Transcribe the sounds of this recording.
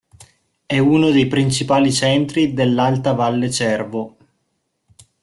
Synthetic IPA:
ɛunod̪ejpɾint͡ʃipaːlit͡ʃɛnt̪ɾid̪elːalt̪avalːet͡ʃɛrvo

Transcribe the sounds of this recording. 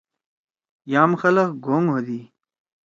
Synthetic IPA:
jaːmxɐlɐkɡoŋɦod̪i

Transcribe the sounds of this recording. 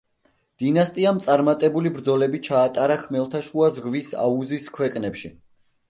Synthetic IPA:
d̪̥inast̪ʼiamt̪sʼaɾmat̪ʼɛbulibɾd̪zɔlɛbit͡ʃʰaːt̪ʼaɾaχʰmɛlˠt̪ʰaʃuazʁvisa̰uziskʰwɛkʼnɛpʃi

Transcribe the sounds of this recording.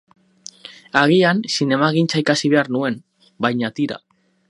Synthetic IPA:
aɣ̞iansine̞maɣ̞int͡saikasiβe̞aɾnue̞n | bajɲat̪iɾa̰

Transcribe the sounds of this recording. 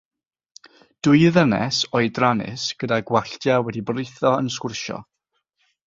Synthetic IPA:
d̥ʊɨðənɛ̰sɔɨdranɪ̰sɡ̥ədaɡwaɬtjawɛdibrɪjθɔənskʊrʃɔ̰

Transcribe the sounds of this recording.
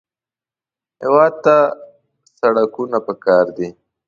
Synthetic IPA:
hewɑːd̪̚t̪a | saɽakunapəkɑːɾd̪i

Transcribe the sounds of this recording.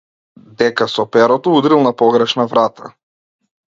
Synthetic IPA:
d̪ɛkasɔpɛɾɔt̪ɔud̪ɾilˠnapɔɡɾɛʃnavɾat̪ʰa

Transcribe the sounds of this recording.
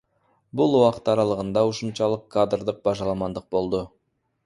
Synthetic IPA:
bʊlˠuwɑqət̪ɑɾɑlˠəʁənd̪ɑʊʃəmʃɑlˠəqkʰːad̪rd̪əq̚bɑʒɑlˠɑmɑnd̪əq̚bo̞lˠd̪ə

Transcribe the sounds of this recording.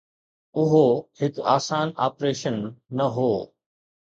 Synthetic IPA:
ʊɦohɪkaːsaːna̰ːpɾeːʃənːɐɦoː

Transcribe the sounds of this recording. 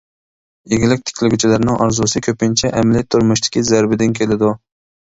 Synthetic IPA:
jeɡʲɪlɪk̚ʲt̪ʰɪ̥kʲʰlɪɡʲyt͡ʃʰɪlaɾnɪŋʔɑ̰ɾzusɪkʲʰøpɪnt͡ʃʰɛʔæmlet̪ʰːʊɾmʊʃt̪ɪ̥kʲizæɾbɪd̪ɪnkʲʰelɪd̪ʊ

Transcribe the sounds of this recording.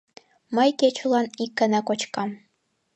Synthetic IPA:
məjket͡ɕulˠɑnikːə̆nækot͡ɕkɑm

